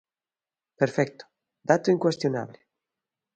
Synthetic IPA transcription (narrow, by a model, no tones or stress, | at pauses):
peɾfɛk̚t̪o̥ | d̪at̪oiŋkwest̪jona̰βle